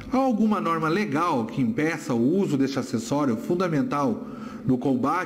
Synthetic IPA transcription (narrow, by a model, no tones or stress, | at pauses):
aawɡũmɐnɔɾmɐleɡawkɪĩmpɛsɐʊuzʊd̪est͡ʃɪasesɔɾjʊfũnd̪ɐmẽnt̪aw | nʊkõba